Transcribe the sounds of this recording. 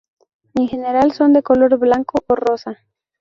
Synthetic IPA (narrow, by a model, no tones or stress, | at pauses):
eŋxe̞ne̞ɾalso̞nd̪e̞ko̞lo̞ɾβlaŋkoʔoro̞sa